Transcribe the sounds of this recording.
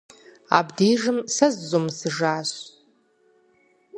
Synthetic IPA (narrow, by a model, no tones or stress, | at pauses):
a̰bdejʐɨmsazːomsɨʐaːɕ